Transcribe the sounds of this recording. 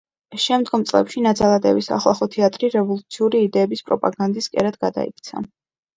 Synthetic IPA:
ʃɛmd̪ɡɔmt̪sʼlɛ̰pʃinad̪zalˠad̪ʼɛ̰visa̰χlˠa̰χɔt̪ʰɛat̪ʼɾiɾɛvɔlˠut̪sʰiuɾiːd̪ɛːbispʼɾɔpʼa̰ɡand̪iskʼɛ̰ɾad̪ɡad̪a̰ḭk̚ʰt̪sʰa̰

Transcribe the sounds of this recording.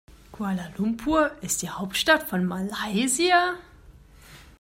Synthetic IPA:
kʰwalalumpʰuɐɪsd̥iːhaʊp̚tʃtatfɔnmalaɪzia

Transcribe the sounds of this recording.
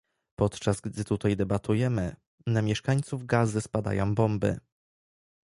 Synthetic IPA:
pɔt̪t͡ʂazɡd̪ɘt̪ut̪ajd̪ɛbat̪ujɛmɘ | namʲjɛʂkaɲt̪suvɡazɘspad̪a̰jɔ̃w̃bɔmbɘ̰

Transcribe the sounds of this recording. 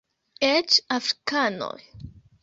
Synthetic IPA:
et͡ʃafɾi̥kano̰j

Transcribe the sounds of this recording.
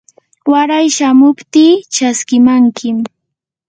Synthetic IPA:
waɾajʃamʊpt̪iːt͡ʃaskɪmaŋkʰɪm

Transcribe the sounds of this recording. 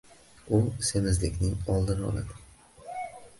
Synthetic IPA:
ʊse̞mɪzlɪkʲnɪŋɒlˠd̪ɪɾɒ̰lˠɪ̰b

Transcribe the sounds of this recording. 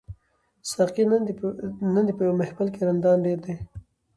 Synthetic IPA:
sɑqi | nand̪ipəjwmɪhbalkeɾand̪ɑːnɖeɾd̪e

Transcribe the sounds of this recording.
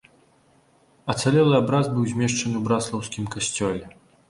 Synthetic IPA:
ɐt̪salʲɛlˠɨabɾazbɨwzʲmʲɛʂt͡ʂɐnɨwbɾat̪slˠɐwskʲimkasʲt͡sʲɔlʲɛ

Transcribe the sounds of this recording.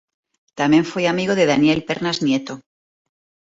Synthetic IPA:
t̪amje̞ɱfweamiɣoðe̞ðanje̞lpe̞ɾnaznje̞t̪o

